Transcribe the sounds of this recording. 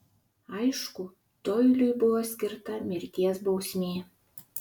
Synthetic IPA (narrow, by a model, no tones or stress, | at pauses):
ɑjʃku | t̪ojlʲyjbuwoskʲirt̪ɑmʲerʲkʲesbowsʲmʲe